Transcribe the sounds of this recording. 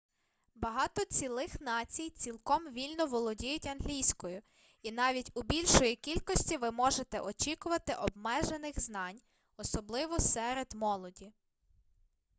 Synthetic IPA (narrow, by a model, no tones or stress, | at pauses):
bɐɦɑt̪ɔt͡sʲilˠɪxnɑt͡sʲijt͡sʲilˠkɔmʋʲilʲnɔʋɔlˠɔdʲijʊtʲɐnɦlʲijsʲkɔjʊ | inɑʋʲitʲʊbʲilʲʃɔjikʲilʲkɔsʲtʲiʋɪmɔʒet̪ɛʔɔt͡ʃikʊʋɐt̪ɪʔɔbmɛʒenɪxznɑnʲ | ɔsɔblˠɪʋɔsɛɾed̪mɔlˠɔdʲi